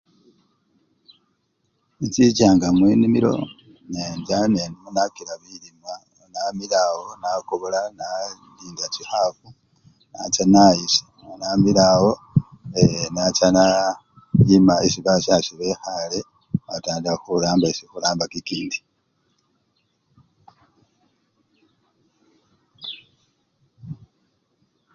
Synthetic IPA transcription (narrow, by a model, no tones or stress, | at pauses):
int͡sit͡ʃaːŋɡamwinimiɾo̞̰ | nenzanenimunakilaβilima | onamilawonakoβolana | liːndat͡ʃixafu | na̰t͡ʃanajisḁ | onamilawo̞ | enat͡ʃana | jimaisiβaʃaʃiβexale | ataːndaxulaːmbaisixulaːmbakikiːndi